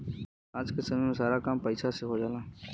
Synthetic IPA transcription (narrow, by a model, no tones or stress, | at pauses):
aːd͡ʒkɪsəmẽsaːɾaːkaːmpəɪsaːseɦoːd͡ʒaːlãː